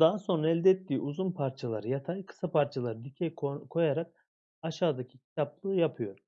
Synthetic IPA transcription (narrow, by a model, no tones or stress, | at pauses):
d̪aɦaso̞nɾaɛlʲd̪ɛɛt̪ʰːiːʔuzunpʰaɾt͡ʃʰalˠaɾɯjat̪ʰajkʰɯ̥sapʰaɾt͡ʃʰalˠaɾɯd̪icʰɛkʰo̞jaɾak̚ | aʃaːd̪acʰicʰi̥t̪ʰaplˠɯːjapʰɯjo̞ɾ